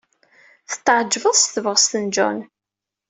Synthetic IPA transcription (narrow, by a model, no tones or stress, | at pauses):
θə̥t̪ːəʕd͡ʒvəðˤsθəvəʁst̪ənd͡ʒɔ̰n